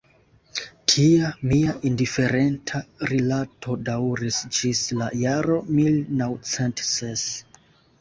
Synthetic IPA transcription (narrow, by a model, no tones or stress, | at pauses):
tʰiamiaʔindife̞ɾentʰaɾilatʰo̞daɾisd͡ʒislajaɾo̞milnawt͡sentses